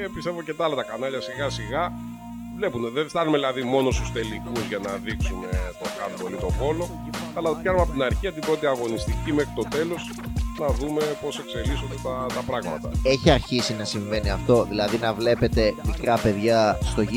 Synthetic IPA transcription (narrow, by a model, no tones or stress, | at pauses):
epist̪evocet̪ɐlɐt̪ɐkɐnɐʎɐsiɣɐsiɣɐ | vle̞puneðeɱst̪ɐnumeðilɐðimo̞no̞st̪ust̪e̞likuzʝɐnɐðiksume̞t̪okɐt̪polit̪o̞xo̞lo̞ | ɐlɐt̪opçɐɾumɐpot̪inɐɾçiɐt̪ibɾo̞t̪iɐɣo̞nist̪icimexɾit̪o̞t̪e̞lo̞s | nɐðumepo̞se̞kse̞lisond̪et̪ɐt̪ɐpɾɐɣmɐ̰t̪ɐe̞çiɐɾçisinɐsiɱve̞niɐft̪o̞ðilɐðinɐvle̞pe̞t̪e̞mikɾɐpe̞ðʝɐst̪o̞ʝi